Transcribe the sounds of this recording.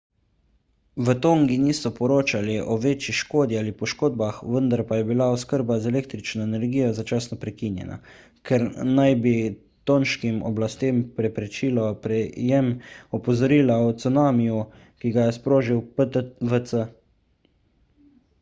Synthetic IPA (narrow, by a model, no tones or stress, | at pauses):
ʋət̪oːŋɡinisɔpɔɾoːt͡ʃaliʔɔʋeːt͡ʃiʃkoːd̪ialipɔʃkoːd̪̚baxʋənd̪aɾpajɛbilaɔskəɾbazɛleːkt̪ɾit͡ʃnɔɛnɛɾɡiːjɔzat͡ʃaːsnɔpɾɛkinjɛ̰na̰ | kʰɛɾnajbi | t̪oːnʃkimɔ̰blast̪eːmpɾɛpɾɛt͡ʃiːlɔpɾɛjɛmɔpɔzɔɾiːlaɔt̪sənaːmiju | kiɡajɛspɾoːʒiwəʋət̪sə